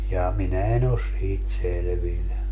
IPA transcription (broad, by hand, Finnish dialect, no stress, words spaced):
jɑː minæ en os siːt selĕʋilːæ